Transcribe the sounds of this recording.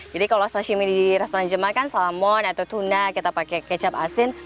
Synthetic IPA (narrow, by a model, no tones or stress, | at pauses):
d͡ʒadikalosaʃimididiɾast̪ɔɾand͡ʒəmakansalamɔnat̪awt̪unakit̪apakɛkət͡ʃap̚asɪn